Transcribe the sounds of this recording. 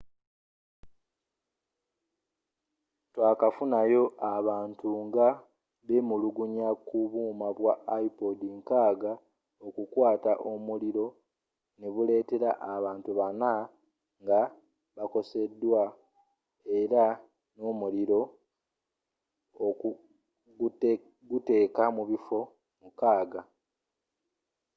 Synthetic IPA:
twaːkafunajo̞ʔaβaːntuŋɡa | βemuluɡuɲakuβuːmaβwaːipodiŋkaːɡa | okukwaːtaʔomuliɾo̞ | neβule̞ːte̞ɾaʔaβaːntuβana | ŋɡa | βako̞se̞dːwa | e̞ɾa | noːmuliɾo̞ | o | ɡ | ɡute̞ːkamuβifo̞ | mukaːɡa

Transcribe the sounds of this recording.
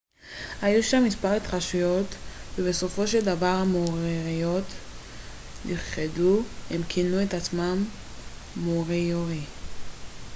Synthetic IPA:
hajuʃamːispaʁet̪χaʃujo̞t̪vebeso̞fo̞ʃeld̪avaʁhamoʁiʁijo̞t | niχeduhemkʰinuetat͡smamː | oʁijoʁi

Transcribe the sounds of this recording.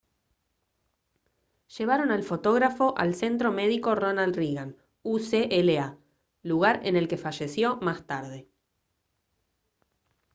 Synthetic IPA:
ʒ̥e̞β̞aɾo̞nalfo̞t̪o̞ɣɾafo̞ʔa̰lse̞nt̪ɾo̞me̞ðiko̞ronald̪riɣan | useʔelea | luɣaɾene̞lke̞faʒe̞sjo̞mast̪aɾð̞e̞

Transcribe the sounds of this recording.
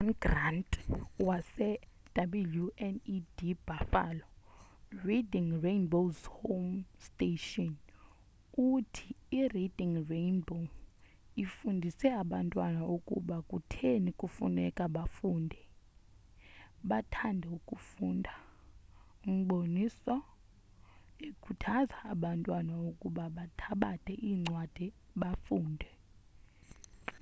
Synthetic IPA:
nɡrantʼwasɛ | d̥ʱabuljuɛnidib̥ʱafa̰lɔ | ridiŋrenbozhomstʼeʃɔn | utʰi̥irid̥ʱiŋrenbo | ifundʱisɛaɓantʼwanaukʼṵɓakʼutʰenikʼufṵnɛkʼaɓafuːndʱɛ | ɓatʰandʱɛukʼufuːndʱa | um̩ɓonisɔ | ekʰutʰazaːɓantʼwanaokʼuɓaɓatʰaɓatʼʰɛʔiːŋ͡ǀʱwad̥ʱiɓafuːndʱɛ

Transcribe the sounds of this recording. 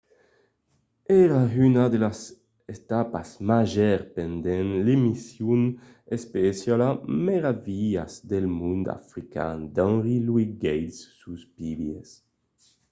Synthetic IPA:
ɛɾaynad̪elas | et̪apa̰zmaʒɛɾpend̪ɛnlemisjun | espesjalameɾaviʎa̰zd̪elmund̪a̰fɾika̰nd̪ãnʁilwiɡɛjsːuspibjḛs

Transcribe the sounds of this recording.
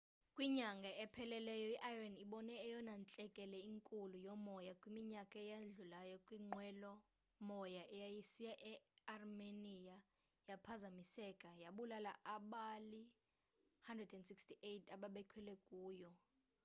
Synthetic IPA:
kʼwiɲaŋɡʱaɛpʰɛlɛlɛjɔiʔajraniɓɔnɛːjɔnant͡ɬʼɛkʼɛlɛiŋkʼulujɔmɔjakʼwimiɲakʼaɛjaɮulajɔkʼwiŋ͡ǃwɛlɔ | mɔjaʔɛjajisijaʔɛarmenija | japʰazamisɛkʼajaɓulalaʔaɓali | handrɛdɛndsikstiʔetʰaɓaɓɛkʰwɛlɛkʼuːjɔ

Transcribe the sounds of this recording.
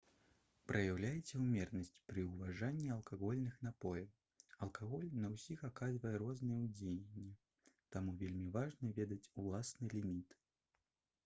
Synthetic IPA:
pɾʔɐjawlʲajɛt͡sʲɛwmʲɛrnɐsʲt͡sʲpɾɨwvaʐanʲːiɐlˠkaɣɔlʲnɨxn̪apɔjɐw | ɐlˠkaɣɔlʲnɐwsʲixakazvɐjɛɾɔznɨjɛwd͡zʲejenʲːɛ | t̪amuvʲelʲmʲivaʐnɐvʲɛd̪ɐt͡sʲulˠasnɨlʲimʲit̪

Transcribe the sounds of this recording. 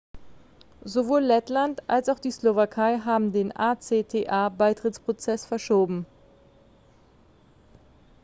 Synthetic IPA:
zovoːlːɛtlantʔa̰lsaʊxχd̥iːslovakʰaɪɦaːbm̩deːnʔaːt͡seːtʰeːʔaːbaɪtʁ̥ɪt͡spʁ̥ot͡sɛsfɛɐʃoːbm̩

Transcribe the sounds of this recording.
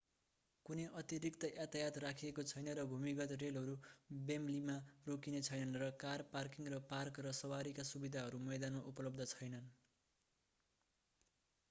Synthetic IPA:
kuneʔʌt̪jiɾikt̪ʌʔat̪ajat̪rakʰiekot͡sʰʌjnʌrʌbʱumikʌt̪relɦʌɾubemlimarokinet͡sʰʌjnʌnrʌkarparkiŋrʌparkrʌsʌwaɾikasubid̪ʱaɦʌɾumʌjd̪anmaʔupʌlʌb̚d̪ʌt͡sʰʌjnʌn

